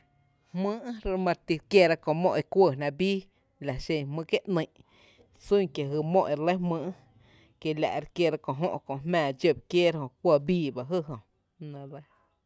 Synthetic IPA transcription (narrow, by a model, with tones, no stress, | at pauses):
hmɨ̃˦ʔɾmã˧ɾt̪i˧kje˧ɾa˧kõ˧˨mõ˦˧ʔe˧kʷə˧˨nã˧biː˦ | la˨ʃẽ˧˨mɨ̃ː˧kje˦ʔnə̃˧˨ʔ | sũ˦ŋkje˨ɦɨ˧mõ˦ʔe˧ɾlə˦jhmɨ̃ː˦ʔ | ke˧la̰˨ʔɾkje˧ɾa˧kõ˨ʔɦõ̰˦ʔkõ˧˨ʔmɛ̃ː˧˨d͡ʒə˧˨b̚kjeː˦ɾhõ˧˨kʷə˧˨biː˦ba˧ɦɨ˦ɦõ˨ | nã˧lə˦˧